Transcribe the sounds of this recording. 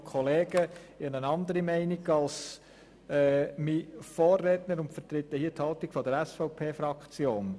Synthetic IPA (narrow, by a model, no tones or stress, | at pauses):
kʰχɔleːɡ̥əɪənənɑnd̪əɾimɛɪniɡɑls | ɛmifoːrːɛtnəɾʊntfəɾt̪ɾɪt̪ːɛhiəthɑltikfɔdəɾɛsfɔʊpʰeːfɾɑkt͡sjoːn